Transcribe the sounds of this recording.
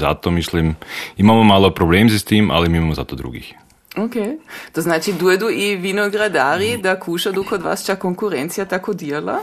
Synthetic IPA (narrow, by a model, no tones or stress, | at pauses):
za̰t̪ɔmislimimaːmɔmaːlɔpɾɔblɛːmsist̪iːma̰lɛmimaːmɔza̰t̪ɔd̪ɾṵɡḭːx | oket̪oznaːt͡ʃid̪uɛd̪uiʋinoɡɾad̪aːɾid̪akʰuːʃad̪ukod̪ʋa̰ːst͡ʃakoŋkuɾɛnt̪sijat̪akod̪iɛla̰